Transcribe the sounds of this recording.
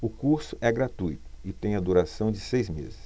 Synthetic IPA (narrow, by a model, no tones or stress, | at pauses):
ʊkuɾsʊʔɛɡɾat̪ujt̪ʊ̥ɪt̪ẽj̃ɐd̪uɾasɐ̃w̃d͡ʒɪsejzmezɪs